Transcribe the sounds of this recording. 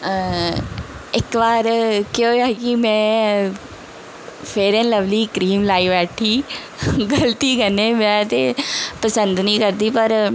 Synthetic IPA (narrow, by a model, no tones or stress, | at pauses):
ɪkʋaːɾkeoːɛːkɪmɛ̃ː | pʰeːɾẽːnləʋliːkɾiːmlaːiːʋɛːʈʰiː | ɡəlt̪iːkəneːmɛ̃ːt̪eːpəsənd̪nəĩːkəɾd̪iːpəɾ